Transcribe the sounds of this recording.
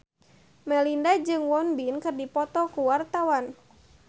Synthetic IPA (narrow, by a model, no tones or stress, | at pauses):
mɛlindad͡ʒɨŋwɔnbinkɨrdipɔt̪ɔkuwart̪awan